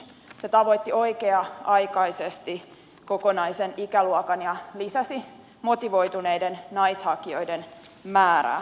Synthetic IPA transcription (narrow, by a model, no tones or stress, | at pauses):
set̪ɑʋot̪ːio̞ikeɑɑjkɑisest̪i | ko̞konɑisenikæluokɑnjɑlisæsi | mo̞t̪iʋo̞jt̪uneidennɑishɑkio̞jden | mæːɾæ̰ː